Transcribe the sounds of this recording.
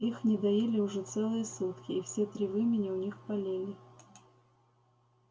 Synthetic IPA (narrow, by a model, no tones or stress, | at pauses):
ixnʲɪd̪ɐjilʲɪʊʐɛt̪sɛlˠɨjəsut̪kʲɪːfsʲet̪ɾʲivɨmʲɪnʲɪʊnʲixpɐlʲelʲɪ